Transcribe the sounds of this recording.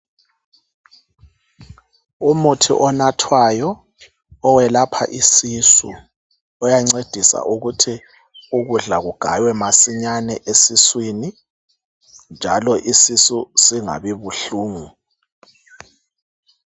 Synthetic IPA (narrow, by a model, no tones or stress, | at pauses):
umutʰḭʔɔnatʰwajɔː | wɛlapʰa̰ʔisisṵ | ɔjaŋ͡ǀed̥ʱisa̰ʔuɣutʰi | uɣuɮaɣuɡ̥ʱa̰jwɛmasiɲanɛʔesiswiːni | nd͡ʒʱalɔʔisisusiŋa̰βiβuɬuːŋu